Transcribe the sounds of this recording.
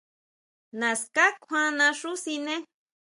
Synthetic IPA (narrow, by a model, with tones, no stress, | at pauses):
nã˨ska˦kʷʰã˦nã˧ʂu˦si˧nẽ˦